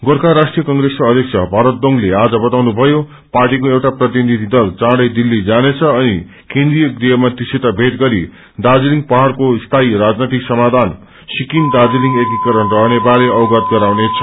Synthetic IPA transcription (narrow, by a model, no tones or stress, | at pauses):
ɡorkaɾasʈijʌkʌŋɡɾeskoʌd̪ʱjʌk̚sʰʌbʱaɾʌt̪̚d̪oŋlead͡zʌbʌt̪awnubʱʌjo | parʈikoewʈaprʌt̪ininid̪ʱid̪ʌlt͡sãɽʌjd̪ilːid͡zanet͡sʰʌːni | kẽnd̪rijʌɡɾijʌmat̪isʰet̪abʱet̪ɡʌɾi | d̪ad͡ziliŋɡpʌɦaɽkost̪ʰaiɾad͡znat̪iksʌmad̪ʱan | sikind̪ad͡ziliŋɡekikʌɾʌnrʌɦnebaɾeʌwɡʌt̪̚ɡʌɾawnet͡sʰʌ̥